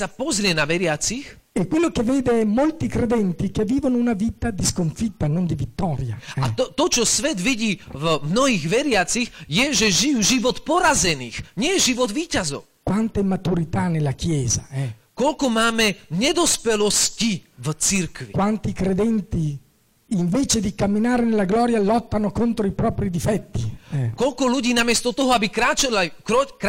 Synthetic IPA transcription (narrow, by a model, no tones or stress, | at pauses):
sapɔzɾɪɛnaʋɛɾɪat͡six | ekwelːokevːeːd̪eɛmːolt̪ikɾed̪ɛnt̪ikevːiːvonounaviːt̪ad̪iskoɱfit̪ːanond̪ivit̪ːɔːɾja̰ɛat̪ɔt̪ɔt͡ʃɔsʋɛd̪ʋiɟiːvmnɔɦiɣʋɛɾɪat͡sixjɛʒɛʒijuːʒiʋɔt̪pɔɾazɛniːxɲɪɛjɛʒiʋɔd̪ʋiːcazɔ̰ʊkwant̪emːat̪uɾit̪anelːakjɛːzaɛkɔʎkɔmaːmɛɲɛd̪ɔspɛlɔscivt͡siɾkʋikwant̪ikɾed̪ɛnt̪iː | ɱvɛːt͡ʃed̪ikamːinaːɾenelːaɡlɔːɾjalɔt̪ːanokont̪ɾoipɾɔːpɾid̪ifɛt̪ːiɛkɔʎkɔluɟiːnamɪɛst̪ɔt̪ɔɦɔabikɾaːt͡ʃalakk